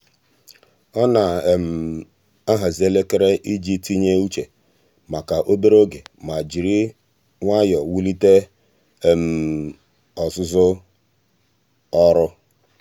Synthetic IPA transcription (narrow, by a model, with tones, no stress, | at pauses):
ɔ˦na˨m̩˨ | a˦ɦa˨zi˨e˦le˦ke˦ɾe˦ʔi˦d͡ʒi˦ti˦ɲe˦u˦t͡ʃe˨ | ma˨ka˨ʔo˦be˦ɾo˦ɡe˨ma˨d͡ʒi˨ɾi˦ | ŋʷa˦jɔ˨wu˦li˦te˦˨ | m̩˨ | ɔ˨zʊ˦zʊ˦ | ɔ˦ɾʊ˦